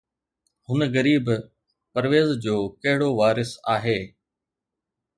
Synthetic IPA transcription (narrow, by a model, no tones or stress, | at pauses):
hʊnəɣɐɾiːb | pɐɾʋeːzd͡ʑoːkɐɦɪɽoʋaːɾɪsaːɦeː